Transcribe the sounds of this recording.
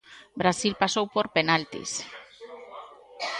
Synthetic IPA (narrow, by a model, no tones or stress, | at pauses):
bɾasilpasowpoɾpenalt̪ḭs